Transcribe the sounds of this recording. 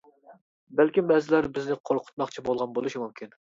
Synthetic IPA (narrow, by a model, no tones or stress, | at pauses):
bælkʲimbɛzɪlæɾbɪznɪqʰoɾqʰʊ̥t̪̚mɑχt͡ʃʰibolˠʁɑnbolˠuʃimumkʲʰin